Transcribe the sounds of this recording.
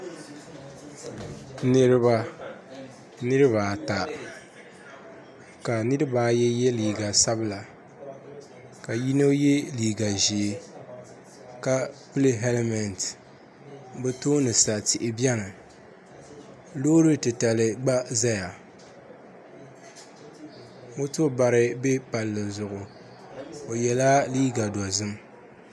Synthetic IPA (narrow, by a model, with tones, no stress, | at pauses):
nɨ˦ɾɨ˦βa˦ | nɨ˦ɾɨ˦βaː˨ta˨ | ka˨nɨ˦ɾɨ˦baː˨˦jɛ˦jɛ˦liː˨ɡa˨sa˦bɨ˦la˨ | ka˨ji˦no˦jɛ˦liː˨ɡa˨ʒi˨ | ka˦pɨ˦lɨ˦ɦɛ˦lmɛ˨nt | bɛ˦toː˦nɨ˨sa˨tɪ˨ʔɪ˨bjɛ˦nɨ˨ | loː˦ɾɨ˦tɨ˨ta˨lɨ˨ɡ͡ba˦za˦ja˨ | mo˦to˦ba˨ɾɨ˦bɛ˦pa˨lːɨ˨zʊ˨ʔʊ˨ | o˨jɛ˨la˦liː˦ɡa˨dɔ˨zɨ˦m